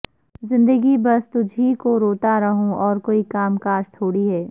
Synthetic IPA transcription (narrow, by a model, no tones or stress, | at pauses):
zɪ̃nd̪əɡibɐst̪ʊd͡ʒʱɦikoɾoːt̪aɾɐɦõɔːɾkoːikaːmkaːʃt̪ʰoːɽiɦɛː